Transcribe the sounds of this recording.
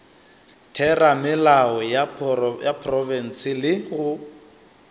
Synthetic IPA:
tʰɛramɪlaɔjajapʰrɔvɛn̩sɪlɪhʊ

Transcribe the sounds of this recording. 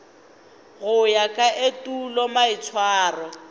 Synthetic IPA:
ɣʊjakʼaʔetʼulɔmaɪt͡sʰwaːrɔ

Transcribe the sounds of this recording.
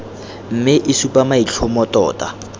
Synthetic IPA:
m̩mɪʔɪsupʼamait͡ɬʰʊmɔtɔ̰ːta

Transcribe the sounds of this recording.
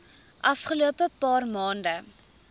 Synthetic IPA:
ʔɐfχəluəpəpɑːrmɑːndə

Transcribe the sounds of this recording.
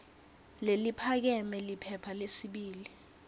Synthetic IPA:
lelipʰak̬ɛmɛlipʰɛpʰalesiɓiːli

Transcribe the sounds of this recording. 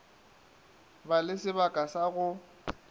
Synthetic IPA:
balɪsɪbakʼasaɣʊ

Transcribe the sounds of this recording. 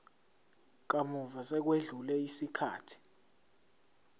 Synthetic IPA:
k̬amuvasɛk̬weɮulɛisikʰaːtʰi̥

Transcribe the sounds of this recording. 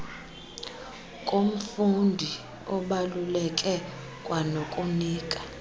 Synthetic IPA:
kʼom̩fundʱi | ɔɓalulɛkʼɛ | kʼwanokʼuniːkʼḁ

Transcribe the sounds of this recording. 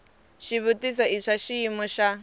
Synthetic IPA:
ʃiβutis̬ɔiʂaʃiimɔʃa

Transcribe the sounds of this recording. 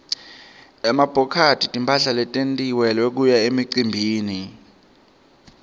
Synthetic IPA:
ɛmab̥ʱɔkʰatʰʼitʼimpʰaɬalɛtʼentʼiwɛlwɛk̬ujaemiǀimbʱiːni

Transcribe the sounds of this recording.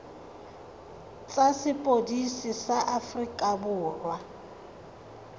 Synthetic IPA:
t͡sʼasɪpʼodisɪsaʔafrikʼabʊːrwa

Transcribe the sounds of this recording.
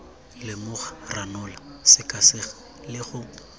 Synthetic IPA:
lɪmʊɣḁranʊlasɪkʼasɪɣa | lɪɣʊ

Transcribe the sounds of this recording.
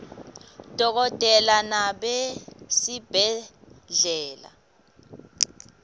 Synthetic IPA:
d̥ʱɔk̬ɔtʼɛlanaɓesib̥ʱɛɮɛːla̰

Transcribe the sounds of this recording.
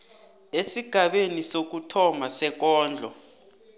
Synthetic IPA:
esiɡ̥ʱaɓenisok̬utʰɔmasɛk̬ɔːnd͡ɮʱɔ̰

